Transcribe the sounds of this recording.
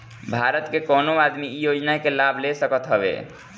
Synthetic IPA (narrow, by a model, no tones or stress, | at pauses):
bʱaɾət̪kekɔnoad̪mijod͡ʒnakelabʱlesəkət̪ɦəbḛ